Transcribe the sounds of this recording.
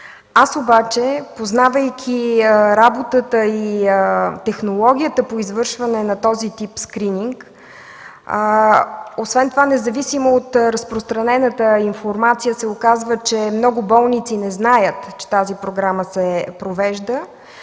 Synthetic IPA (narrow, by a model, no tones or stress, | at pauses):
asobat͡ʃɛpoznavəjkʲʰiɾabot̪ət̪əiət̪ɛxnolˠɔɡ̟ʲijət̪əpoizvɤɾʃvɐnɛnɐt̪ɔzit̪ipskɾiniŋk | osvɛnt̪ovanɛzɐvisimoot̪ɾəspɾost̪ɾɐnɛnət̪əinfoɾmat̪sijəsɛokazvət͡ʃɛmnɔɡʊbɔlˠnit̪sinɛznajət̪t͡ʃɛ̥t̪azipɾoɡɾaməsɛpɾovɛʒd̪ə